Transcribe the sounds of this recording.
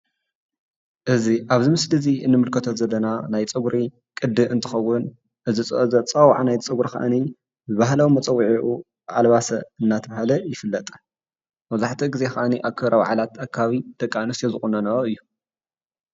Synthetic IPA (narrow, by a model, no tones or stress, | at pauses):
ʔɨziʔaβzimɨslɨziʔɨnːɨmɨlkʰɐt̪ʰot̪zɐlːɐnanajt͡sʼɨɡuɾi | kʼɨd̪ːɨɨnt̪ʰɨ̥xɐwːʊn | ʔɨzit͡sʼɨʔzʼɐt͡sʼɐwʕanajt͡sʼɨɡɾixa̰ʔa̰ni | zɨβaɦlɐwimɐt͡sʼɐwːʕiʔu | ʔalβasɐɨnːat̪ʰɐβahalɐjɪfɨlːɐt̪ʼ | mɐzaħt̪ʰiɡize̞xaʔaniʔakʰɐɾɐwa̰ʕalat̪akʰːaβaβid̪̥ɐkʼːanɨsjozɨxʼunɐnɐɾoɨjːu